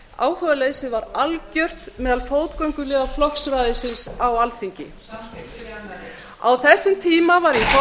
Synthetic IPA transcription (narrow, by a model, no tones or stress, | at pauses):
a̰ːwhœːvalejsɪðvaɾalcœr̥t̪mɛːðalfoːwt̪koɥŋkʏlɛɣaflɔksɾaːjðɪsɪnsawalθiɲcɪ̰ | awθɛsːɪmt̪ʰiːmavaɾjɛf